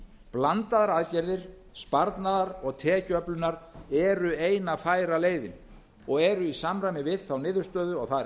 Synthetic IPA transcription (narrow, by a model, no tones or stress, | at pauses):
plant̪aðaɾaðcɛɾðɪɾ̥ | spaɾt̪naðaɾɔɣt̪ʰɛːcœplʏnːaɾɛɾʏeːjnafaːjɾaleːjðɪm | ɔɣɛɾʏisamɾajmɪvɪðθawnɪːðʏ̥st̪œːðʏɔɣθa